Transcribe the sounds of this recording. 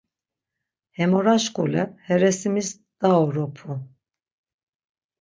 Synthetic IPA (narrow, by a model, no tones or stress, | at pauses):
hɛmɔɾaʃkulɛhɛɾɛsimis | d̪̥aɔɾɔpʰu